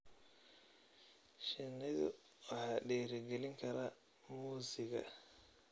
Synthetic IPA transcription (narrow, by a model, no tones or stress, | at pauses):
ʃɪnɪðʊ̰ | wɑħɑːɖɛːɾɪɡɛlɪŋkʰɐɾɐ | muːsɪɣɐ̰